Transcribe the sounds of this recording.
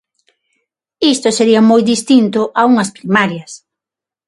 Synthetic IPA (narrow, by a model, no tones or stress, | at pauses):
ist̪ʊseɾiɐmojd̪ist̪int̪ʊʔauŋɐspɾimaɾjɐs